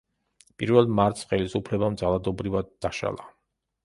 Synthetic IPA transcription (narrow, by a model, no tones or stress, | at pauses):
pʼiɾvɛlˠmaɾt̪ʰsχɛlisupʰlɛbamd̪zalˠad̪ɔbɾivad̪ːaʃa̰lˠa